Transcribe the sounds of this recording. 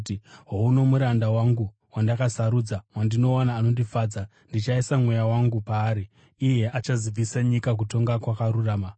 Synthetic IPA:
tiɦouno̞muɾandawaŋɡu | wandakasaɾuːd͡zamwandino̞anaːno̞ndifaːd͡za | ndit͡ʃaisamwe̞jawaŋɡupaːɾiː | je̞ʔat͡ʃazib͡visaɲikak̬uto̞ŋɡakwakaɾuraːma

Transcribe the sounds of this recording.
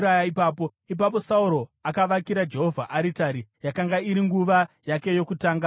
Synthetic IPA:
ajaipaːpo̞ | ip̬ap̬o̞sauɾo̞akaʋakiɾad͡ʒe̞ɦo̞vʱaʔaɾitaɾijakaŋɡaiɾiŋɡuʋa | jake̞jo̞kutaːŋɡa

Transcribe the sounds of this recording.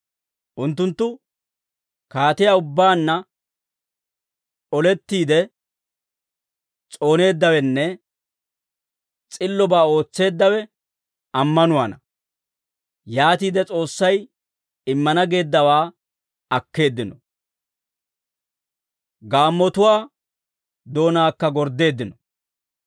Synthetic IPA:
ʔʊnt̪ːʊnt̪ːʊ | kaːt̪ɪjaːʊbːaːnːɐ | ɔlɛt̪ːiːd̪ɛ | t͡sʼo̞ːne̞ːd̪ːɐwɛnːɛ | t͡sʼɪlːɔbaːo̞ːt͡sːe̞ːd̪ːɐwɛ | ɐmːɐnʊwaːnɐ | jaːt̪iːd̪ɛt͡sʼo̞ːsːɐj | ɪmːɐnɐɡe̞ːd̪ːɐwaː | ɐkːe̞ːd̪ːɪnɔ | ɡaːmːɔt̪ʊwaː | d̪o̞ːnaːkːɐɡɔɾd̪e̞ːd̪ːɪnɔ

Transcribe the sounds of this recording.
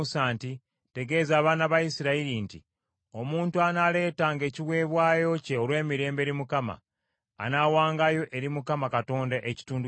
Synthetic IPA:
usaːnti | te̞ɡe̞ːzaːβaːnaβaisiɾaiɾintḭ | o̞muːntuanale̞ːtaːŋɡe̞ːciwe̞ːβwaːjo̞ceolwe̞ːmiɾe̞ːmbe̞ːɾimukama̰ː | nawaːŋɡajo̞ʔe̞ɾimukamakato̞ːndaʔeci̥tuːndu

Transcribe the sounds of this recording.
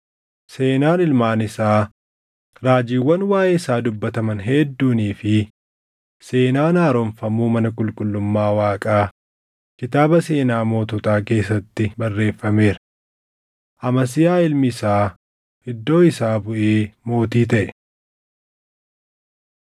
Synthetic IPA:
se̞ːnaːnɪlmaːnɪsaː | ɾaːd͡ʒiːwːɐnwaːʔeːɪsaːd̪ʊbːɐt̪ɐmɐnɦɛd̪ːuːniːfɪ | se̞ːnaːnaːɾɔɱfɐmuːmɐnɐkʼʊlkʼʊlːʊmːaːwaːkʼaː | kɪt̪aːbɐse̞ːnaːmo̞ːt̪ɔt̪aːke̞ːsːɐt̪ːɪbɐrːe̞ːfːɐme̞ːɾɐ | ʔɐmɐs̬ɪjaːɪlmɪɪsaː | hɪd̪ːo̞ːɪsaːbʊʔeːmo̞ːt̪iːt̪ɐʔɛ̥

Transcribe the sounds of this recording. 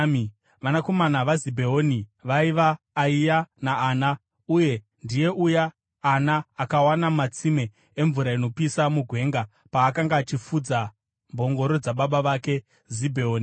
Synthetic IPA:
ʋanako̞manaʋazibʱe̞oniʋaiʋaː | ijanaːna | uje̞ | ndije̞ʔujaː | naːkawanamat͡sime̞ | eɱvuɾaino̞pisamuɡʱwe̞ŋɡa | paːkaŋɡaːt͡ʃifud͡za | mbʱo̞ŋɡo̞ɾo̞d͡zaɓaɓaʋake̞ | zibʱeoːni

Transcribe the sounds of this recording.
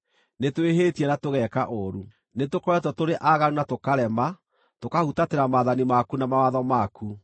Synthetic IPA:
netweɦeːtiɛɾatoɣɛkaʔoɾu | netokɔwɛtɔtoɾeʔaɣaɾunatokaɾɛma | tokahutateɾamaːðanimakunamawaðɔmakʰu

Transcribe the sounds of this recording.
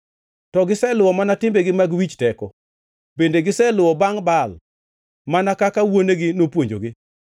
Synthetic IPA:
tɔɡɪsɛlʊwɔmanatɪmbeɡɪmaɡwit͡ʃtɛkɔ | bendeɡɪsɛlʊwɔbaŋbal | manakakawoneɡɪnopwoɲd͡ʒo̰ɡɪ

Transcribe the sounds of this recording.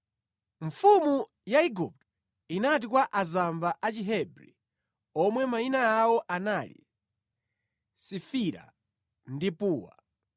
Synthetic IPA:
ɱfumu | jaiɡup̚t | inatikwaʔazambaʔat͡ʃiɦɛbɾḭ | ɔmwɛmainaawɔʔanalḭ | sifiɾa̰ | ndipuːwa̰

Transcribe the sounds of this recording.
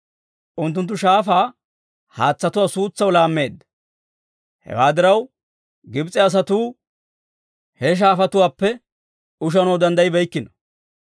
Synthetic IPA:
ʔʊnt̪ːʊnt̪̬ːʊʃaːfaː | haːt͡sːɐt̪ʊwaːsuːt͡sːɐwlaːmːe̞ːd̪ːɐ | hɛ̰waːd̪ɪɾɐw | ɡɪbt͡sʼɛɐs̬ɐt̪uː | hɛʃ̬aːfɐt̪ʊwaːpːɛ | ʊʃ̬ɐnowd̪ɐnd̪ɐjɪbɛjkːɪnɔ̥

